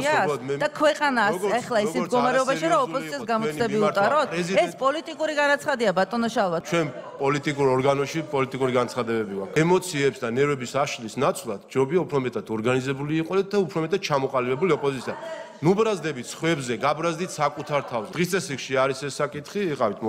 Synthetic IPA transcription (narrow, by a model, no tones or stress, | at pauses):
amɛd̪akʰwɛqʼanaɛχlˠaid̪ɡɔmaɾɛɔbaʃiɾaɔpʼɔzisiassɡamɔɛbiut̪ʼaɾɔt̪ɛɛsspʼɔlit̪ʼikʼuɾiɡanat̪sʰχad̪iabat̪ʼɔnɔʃalˠvat̪t͡ʃʰwɛnpʼɔlit̪ʼikʼuɾɔɾɡanɔʃipʼɔlit̪ʼikʼuɾiɡant̪sʰχad̪ɛbɛbiɡakʰɛmɔt̪sʰiɛpsd̪anɛɾɛbisaʃlisnat̪sʰʼlˠad̪̥̚d͡ʒɾɔbiaupʰɾɔmɛt̪ʼad̪ɔɾɡanizɛbuliːqʼɔd̪ɛt̪̚d̪aupʰɾɔmɛt̪ʼad̪̥̚t͡ʃʰamɔqʼalibɛbuliɔpʼɔzit̪sʰia | nubɾazd̪ɛbit̪ʰsχwɛbzɛɡabɾazd̪it̪ʰsakʼut̪ʰaɾt̪ʰavzd̪ʁist̪ʼɛsɾikʃiaɾisɛsːakʼit̪ʰχiːqʼavit̪ʰm